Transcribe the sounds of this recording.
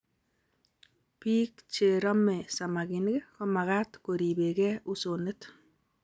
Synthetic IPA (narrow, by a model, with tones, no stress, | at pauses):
pi˦k̚t͡ʃe˨ɾɔ˦me˨sa˨ma˨ki˨n˦ke˦kɔ˦ma˨ka˦tko˨ɾi˨be˨kɛ˦u˦so˨ne˦t